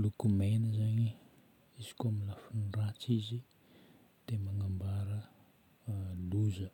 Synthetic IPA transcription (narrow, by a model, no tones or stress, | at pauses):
lukumenəzaɲi | izi̥koamilafunirat͡sizi | d̪̥emaŋambaɾə | luzə